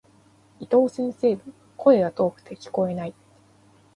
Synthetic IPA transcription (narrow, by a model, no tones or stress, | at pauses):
it̪o̞ːsẽ̞ɰ̃se̞ːbɯ̟̃ | kʰo̞e̞ɡat̪o̞ːɸɯ̟̥t̪e̞kʲi̥ko̞e̞nai